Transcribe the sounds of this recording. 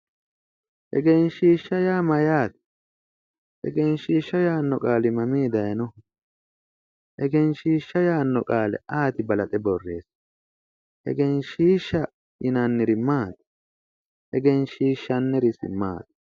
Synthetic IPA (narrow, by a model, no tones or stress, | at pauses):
hɛ̰ɡenʃiːʃːɐjaːmɐjaːt̪ɪ̥ | hɛ̰ɡenʃiːʃːɐjaːnːɔkʼaːlɪmɐmiːd̪ɐjɐnɔ | hɛɡenʃiːʃːɐjaːnːɔkʼaːlɛ̰ʔaːt̪ɪbɐlɐt̪ʼɛbɔrːe̞̰ːs | hɛ̰ɡenʃiːʃːɐ | ɪnanːɪɾɪmaːt̪ɐ̥ | hɛɡenʃiːʃːɐnːɛɾɪsɪ̰mːa̰ːt̪ɐ